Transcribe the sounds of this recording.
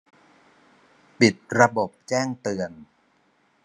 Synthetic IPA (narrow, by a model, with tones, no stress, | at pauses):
pi˨˩t̪̚ɾa˧bo˨˩p̚t͡ɕɛː˥˩ŋt̪ɯ˧ən